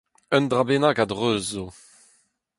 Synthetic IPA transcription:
œnd̪ʁabenaɡadʁøːzo

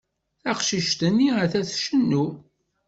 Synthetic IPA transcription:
θæqʃiʃt̪ənːiəθæθʃənːu

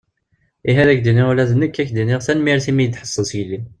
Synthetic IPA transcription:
iɦæðækd̪iniʁlæðənːəkːækːd̪iniʁθænmiɾθimijd̪ħə̥sˤːəsʝəlːim

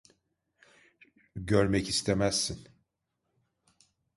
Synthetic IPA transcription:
ɟøɾmɛcist̪ʰemæzːin

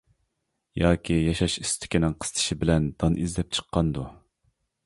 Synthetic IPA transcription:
jɑːkʲʰijɑʃɑʃist̪ʰɪ̥kʲinɪŋqʰə̥st̪ʰɨ̥ʃɪbɪlɛnd̪̥ɑnʔizd̪ɛp̚t͡ʃʰə̥qːɑnd̪u

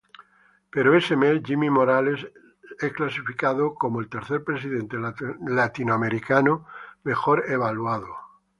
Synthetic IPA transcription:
pe̞ɾoesemesʝimimo̞ɾale̞s | eklasifikaðokomoelt̪e̞ɾθe̞ɾpɾe̞s̬iðe̞nt̪elat̪inoame̞ɾikanome̞xo̞ɾeβ̞alwað̞o

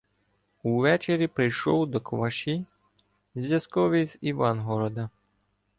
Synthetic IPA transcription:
uʋɛt͡ʃeɾʲipɾɪjʃɔwd̪ɔkʋɐʃi | zʲʋʲjɐskɔʋiziʋɑnɦɔɾɔd̪ɐ

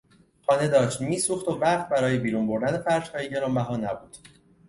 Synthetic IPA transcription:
xɒːne̞d̪ɒːʃt̪miːsuːxt̪ovæqt̪̚bæɾɒːjebiːɾuːnbo̞ɾd̪ænefæɾd͡ʒhɒːjeɟe̞ɾɒːmbæɦɒːnæbuːd̪̥

